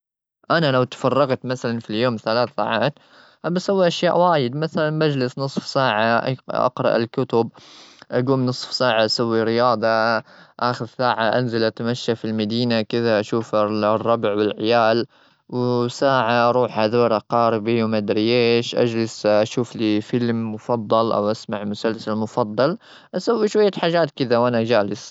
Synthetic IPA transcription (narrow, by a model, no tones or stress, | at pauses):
ʔanalawt̪ḁfɑrˤːɑɣt̪maθalanfiljoːmθalaːθsaːʕaːt̪ | ʔabasawːiʔaʃja̰ːʔwaːjɪd̪maθalanbad͡ʒlɪsnɨsˤfsaːʕaʔʔɑ̰qɾˤɑ̰ʔɪlkʊt̪ʊb̚ʔaɡuːmnɨsˤfsaːʕaʔasawːiɾɪjɑːd̪ˤɑʔaːxɪðsaːʕaʔanzalʔat̪amaʃːafilmad̪iːnakɪðaʔaʃuːfrˤːɑbʕwɪlʕɪjaːl | wsaːʕaʔɑɾˤuːħhaðoːɾˤaqɑːɾɪbiwmad̪ɾɪjeːʃʔa̰d͡ʒlɪsʔaʃuːfliːfɪlmːʊfɑðˤːɑlʔa̰wʔasmaʕmʊsalsalmʊfɑd̪ˤːɑl | ʔasawːiʃwajːaħaːd͡ʒaːt̪kɪðawʔanad͡ʒaːlɪs